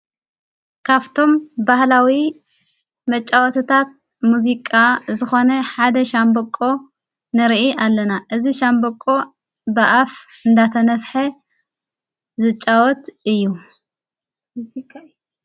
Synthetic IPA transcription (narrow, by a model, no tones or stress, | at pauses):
kʰaβt̪ʰo̞mbahlawi | mɐt͡ʃʼːawɔt̪ʰɨt̪ʰat̪̚ | muzikʼazɨxo̞nɐħad̪ɐʃambɐkʼːo̞ | nɨɾʔialːɐnaʔɨziʃambɐkʼo̞ | baʔafɨnd̪at̪ʰɐnɐfħɐ | zɨt͡ʃʼːawɔt̪ɨjːu